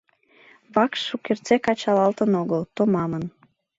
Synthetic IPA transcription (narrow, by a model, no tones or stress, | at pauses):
βɑkʃʃukert͡sekɑt͡ɕɑlɑlt̪ənoɣəlt̪omɑmən